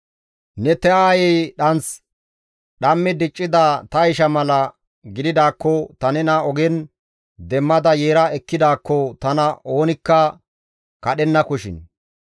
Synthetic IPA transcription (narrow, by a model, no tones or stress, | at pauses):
nɛt̪ɛaːjɛjɗɐnt͡s | ɗɐmːɪd̪ɪt͡ʃʼːɪd̪ɐt̪ɐɪʃɐmɐlɐ | ɡɪd̪ɪd̪aːkːɔt̪ɐnɛnɐɔɡɛn | d̪ɛmːɐd̪ɐje̞ːɾɐɛkːɪd̪aːkːɔt̪ɐnɐʔo̞ːnɪkːɐ | kɐɗɛnːɐkʊʃɪ̰n